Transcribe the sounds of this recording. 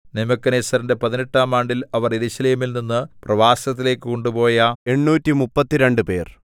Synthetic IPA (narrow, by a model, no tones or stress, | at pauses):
nimɐkːɐneːsɐɾɐnde̞pɐðineʈːaːmaːɳɖilɐʋɐrjeɾuɕɐleːmilninːɨprɐʋaːsɐt̪̬ːile̞ːkːɨkoɳɖupo̞ːjɐe̞ɳːuːtːimupːɐt̪ːiɾe̞ɳɖɨpe̞ːr